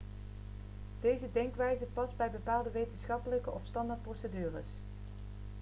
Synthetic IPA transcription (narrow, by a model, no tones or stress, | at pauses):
d̥ejzədɛŋkʋɛjzəpɑzbɛjbəpaːlˠdəʋejtənsχɑpələkəʔɔfstɑndɑɹt̚prowsədyːrə̰s